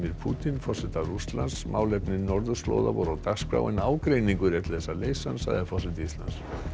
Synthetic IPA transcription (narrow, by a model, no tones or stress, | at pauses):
miɾ̥pʰuːt̪infɔr̥sɛt̪arust̪lansmʔaːwlɛpnɪnɔɾðʏslo̰ːwða̰vɔɾawt̪askɾa̰ːwɪnaːwkɾeːjniŋkʏɾɛt̪lθɛsːaleːjsansa̰ɣðɪfɔrsɛt̪ɪist̪la̰ns